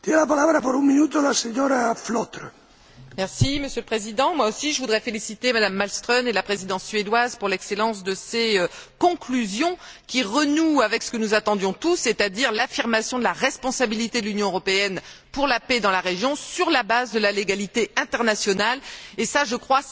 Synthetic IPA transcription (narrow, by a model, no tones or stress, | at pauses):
t̪jɛnelapalaβɾapoɾuŋminut̪olaseɲoɾaflot̪ɾ | mɛʁsiməsjøləpχezid̪ɑ̃mwaosiʒəvud̪ʁɛfelisit̪emad̪amːalst̪χɔnelapχezid̪ɑ̃sːɥed̪wazpuʁlɛkselɑ̃sd̪əseøkɔ̃klyzjɔ̃kʲiʁənuavɛksə̥kənuzat̪ɑ̃d̪jɔ̃t̪usːet̪ad̪iʁlafiʁmasjɔ̃d̪əlaʁɛspɔ̃sabilit̪ed̪əlynjɔ̃øʁɔpeɛnpuʁlapɛd̪ɑ̃laʁeʒjɔ̃syʁlabazd̪əlaleɡalit̪eɛ̃t̪ɛʁnasjɔnalesaʒəkχwa